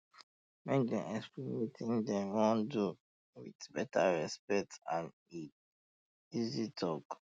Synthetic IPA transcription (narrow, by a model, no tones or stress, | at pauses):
mɛk̚dɛ̃nɛspimetʰĩŋdɛ̃wɔ̃ndu | wḭdbɛtʰaɹɛspɛk̚tãn | i | izitʰɔk